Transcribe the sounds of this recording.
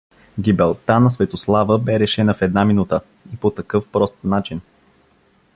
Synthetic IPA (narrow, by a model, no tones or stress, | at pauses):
ɡʲibɛlˠt̪anɐsvɛt̪oslˠavəbɛɾɛʃɛnɐfɛd̪naminut̪ə | ipot̪ɐkɤfpɾɔst̪nat͡ʃin